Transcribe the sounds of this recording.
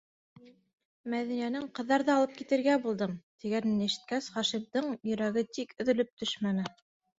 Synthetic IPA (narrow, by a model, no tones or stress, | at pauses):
mæðinijænɘŋqɤ̆ðːɑɾðɑːlˠɤp̚kit̪ɘ̆ɾɡæbulˠd̪ɤmt̪iɡænɘnɘ̆ʃɘ̥̆t̪̚kæsχɑʃimd̪ɤɴjɵ̆ɾæɡɘt̪ikɵ̆ðɵ̆lɵp̚t̪ʰɵʃmænɘ